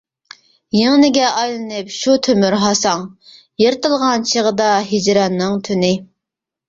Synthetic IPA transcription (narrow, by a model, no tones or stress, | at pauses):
jeŋnɪɡʲɛʔɑjlˠɨnɨpʃut̪ʰømyɾɦɑsɑŋ | jeɾt̪ɨlˠʁɑnt͡ʃʰeʁəd̪ɑɦɪd͡ʒɾɑnːɨŋt̪ʰynɪ